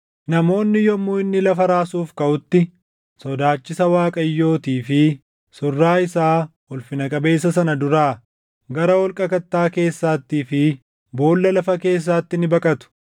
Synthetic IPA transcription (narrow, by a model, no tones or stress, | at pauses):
nɐmo̞ːnːɪjɔmʊɪnːɪlɐfɐɾaːsuːfkɐʔʊt̪ːɪ | sɔd̪aːt͡ʃːɪsɐwaːkʼɐjːo̞ːt̪iːfɪ | sɔrːaːɪsaːhʊlfɪnɐkʼɐbe̞ːs̬ːɐsɐnɐd̪ʊɾaː | ɡɐɾɐwɔlkʼɐkɐt̪ːaːke̞ːsːaːt̪ːiːfɪ | bo̞ːlːɐlɐfɐke̞ːs̬ːaːt̪ːɪnɪbɐkʼɐt̪ʊ̥